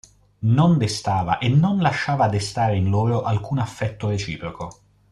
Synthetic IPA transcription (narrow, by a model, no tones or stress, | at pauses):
nond̪est̪aːva̰ʔenːonlaʃːaːvad̪est̪aːɾeinloːɾoʔalkuːnafːɛt̪ːoɾet͡ʃḭːpɾoko